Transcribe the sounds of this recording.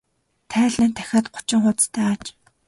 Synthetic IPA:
t̪ʰæːɮiːnt̪ʰæ̥xʲaːt̪ɢʊ̥t͡ɕɪ̆ŋχʊt̪t͡st̪ʰæːt͡ɕ

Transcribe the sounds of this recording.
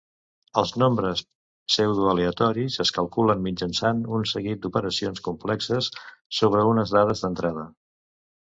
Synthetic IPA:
əlˠznombɾəs | sɛwðuəleət̪ɔɾizəskəlˠkulənmid͡ʒənsanunsəɣit̪̚d̪upəɾəsionskumplɛksəsːoβ̞ɾəunəzðaðəzðənt̪ɾað̞ə

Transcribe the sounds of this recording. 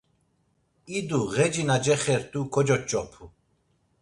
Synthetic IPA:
id̪uɣɛd͡ʒinad͡ʒɛχɛɾt̪ʼukʰɔd͡ʒɔt͡ʃʼɔpʰu

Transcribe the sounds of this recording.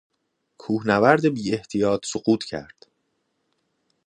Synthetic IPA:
kʰuːhnævæɾd̪ebiːe̞ht̪ʰijɒːt̪ʰsoɢuːt̪ʰcʰæ̰ɾd̪̥

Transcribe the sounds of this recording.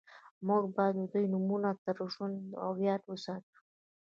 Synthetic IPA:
muɡbɑjd̪d̪ujnumunat̪əɾʒund̪a̰ɣjɑt̪wəsɑʈə̥

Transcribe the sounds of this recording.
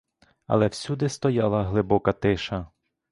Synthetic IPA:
ɐ̰lˠɛwsʲud̪ɪst̪ɔjɑlˠɐɦlˠɪbɔkɐt̪ɪʃɐ

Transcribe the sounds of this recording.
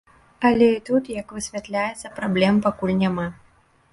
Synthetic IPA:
ɐlʲɛit̪ut̪jɐkvɨsʲvʲat̪lʲajɛt̪sːɐpɾablʲɛmpakulʲnʲama

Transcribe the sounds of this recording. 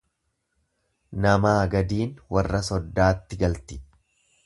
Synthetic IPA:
nɐmaːɡɐd̪iːnwɐrːɐsɔd̪ːaːt̪ːɪɡɐlt̪ɪ̥

